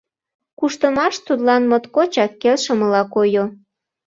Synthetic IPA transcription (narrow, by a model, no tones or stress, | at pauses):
kuʃt̪əmɑʃt̪ut̪lɑnmot̪kot͡ɕɑkːelʃə̆məlɑkojo